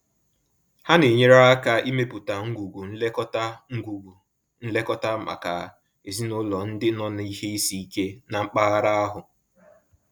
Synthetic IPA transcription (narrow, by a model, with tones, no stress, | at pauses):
ha˦ne˨ɲe˦ɾa˦a˦ka˦i˦me˦pʊ˨ta˨ŋ̩˦ɡu˨ɡu˨n̩˦le˦kɔ˦ta˦ŋ̩˦ɡu˨ɡu˨ | n̩˦le˦kɔ˦ta˦ma̰˨ka̰˨ | e˨zi˦nʊ˦lɔ˨n̩˦dɪ˦nɔ˦n˨i˦he˦i˦si˦i˦ke˦na˨ŋ͡m̩˦k͡pa˦ɣa˦ɾa˦a˦ɦʊ˨